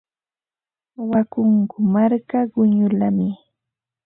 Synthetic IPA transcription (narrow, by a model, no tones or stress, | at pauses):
wakʊŋkʊmaɾkaɢʊɲʊlamɪ